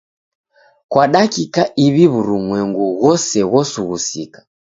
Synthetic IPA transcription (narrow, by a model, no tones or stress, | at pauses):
kwaɗakikaiβiβuɾuŋwɛŋɡuɣɔsɛɣɔsuɣusikḁ